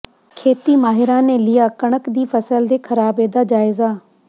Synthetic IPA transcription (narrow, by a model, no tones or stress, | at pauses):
kʰeːt̪iːmaːɦɪɾãːnẽːlɪjaːkəɳ̃əkd̪iːpʰəsəld̪eːkʰəɾaːbeːd̪aːd͡ʒaːɪzaː